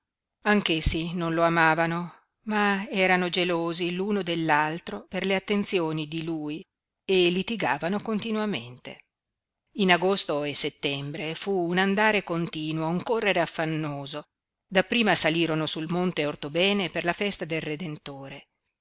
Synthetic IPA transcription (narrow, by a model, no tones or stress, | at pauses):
aŋkesːinonloamaːvano | maɛːɾanod͡ʒeloːziluːnod̪elːalt̪ɾoperleat̪ːent̪sjoːnid̪iluːj | elit̪iɡaːvanokont̪inwament̪ḛ | inaɡost̪oeset̪ːɛmbɾefuːnand̪aːɾekont̪iːnwouŋkorːeɾeafːanːoːzo | d̪apːɾiːmasaliːɾonosulmont̪eort̪obɛːneperlafɛst̪ad̪elred̪ent̪oːɾe